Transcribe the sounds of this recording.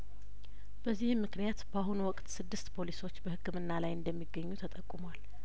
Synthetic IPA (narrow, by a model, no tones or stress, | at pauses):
b̥əzːihmːɨknijat̪baɦunuwɔkʼt̪sɨd̪ːɨst̪pʰo̞liso̞t͡ʃːbəhɨkːɨmɨnːalajɨnd̪əmːiɡːəɲːut̪ʰət̪ʼəkʼːumwal